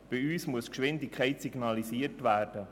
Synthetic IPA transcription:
b̥ɪyːsmuəskʃʋɪndɪkχɛɪtsiɡnɑlisiːəɾtʋæːrd̥ə

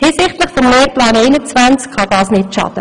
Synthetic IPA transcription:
hɪːsɪχtləχfɔmleːɾplɑːnɛjnət͡svænt͡skχɑd̥ɑːsnɪtʃɑ̰ːd̥̪ə

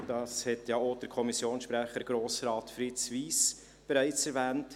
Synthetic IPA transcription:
d̥ɑːshɛtjɑːod̥əɾkʰɔmisjoːnsʃpɾɛχəɾɡ̥ɾoːsɾɑːtfɾɪt͡sviːs | b̥ɛɾæɪt͡sɛɾvɛːnt

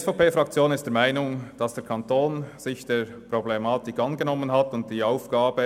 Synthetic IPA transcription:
sfaʊpeːfɾɑk̚t͡sjoːnɪstd̥ɛɐɾmaɪnʊŋd̥ɑsd̥eːɐɾkʰɑntoːnz̥ɪçd̥eɹ | pʁoblemɑːtɪkʔɑnɡənɔmənɦɑtʊnt̚d̥iːɑʊfɡ̥aːbə

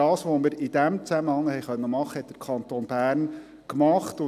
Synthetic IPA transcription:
ɑːsʋomɪɾɪd̥æmt͡sæməhɑŋːəhɛjχœnːəmɑχːəhɛt̪̚d̥ə̥ɾkʰɑnt̪oːnbæːɾn | kmɑχt̪ʊ

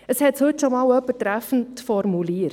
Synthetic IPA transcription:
əshɛtshɵtːʃɔmɑːlœpːətɾæfən̩tfɔɾmuliəɾ

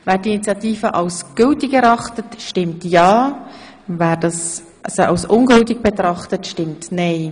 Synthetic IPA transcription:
væːɾdiinit͡sjɑtiːfəʔɑlsɡ̥ʏltiɡɛɾɑχtətʃtɪmtjɑː | væːɾd̥ɑs | ʔɑ̰soɑ̰lsʊnɡɵlt̬iɡ̚b̥ɛtɾɑχtətʃtɪmtnɛɪ

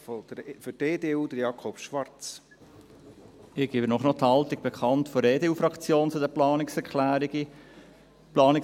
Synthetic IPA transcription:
ɔd̥fʏteːdeːuːd̥̪əɾjɑkʰɔpʃʋɑrt͡s | ɪɡ̥ibənɔχnɔt̪hɑlt̪iɡ̥̚b̥ekχɑntfoɾeːdeːuːfɾɑkt͡sjoːnt͡sʊdɛplɑːnɪksɛkʰlæːɾiɡi | plɑːnɪk

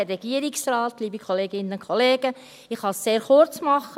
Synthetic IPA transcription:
ɛrɛɡ̥iəɾɪksɾɑːtliːbikʰoleːɡɪnəʊnkʰoleːɡ̥ə | ɪχhɑsseːɾχʊɾt͡smɑχːə

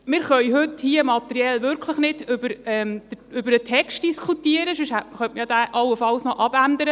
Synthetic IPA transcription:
mɪɾχœʏɦʏthiəmɑt̪əɾiɛlʋʏɾkʰləχnɪd̥ʏbəɾɛmd̥̪ə | ʏbəɾət̪ʰɛkst̚d̥iskʰut̪iəɾəʃøʃhæχœntəjɑd̪æʔɑwːəfɑlsnɔʔɑbænd̪əɾə

